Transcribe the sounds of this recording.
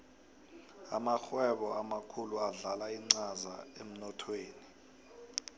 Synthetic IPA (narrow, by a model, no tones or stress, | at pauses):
a̰maxwɛɓɔamakʰuluaɮalaiŋ͡ǀaza̰em̩nɔtʰweːni